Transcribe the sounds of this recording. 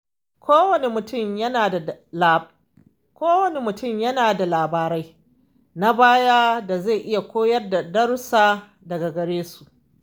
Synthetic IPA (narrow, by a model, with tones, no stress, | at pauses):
kʷʰoː˦wɐ˨ne˦mʊ˨tʊ˦˨mjɐ˦naː˨da˨lː | kʷoː˦wɐ˨ne˦mʊ˨tʊ˦˨mjɐ˦naː˨da˨laː˨baː˨ɾa˦j | na˦baː˦jaː˦da˨za˦˨ʔɪ˦ja˨kʷoː˦jɐ˦rda˨dɐ˦ɽsaː˦ | dɐ˨ɡa˨ɡɐ˨ɽeː˦su̥˨ʔ